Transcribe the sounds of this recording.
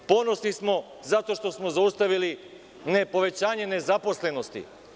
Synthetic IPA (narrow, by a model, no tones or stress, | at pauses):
po̞no̞snismo̞ | zat̪o̞ʃt̪o̞smo̞zaust̪aʋili | nepo̞ʋe̞t͡ɕaːɲe̞ne̞zapo̞sle̞no̞st̪ḭ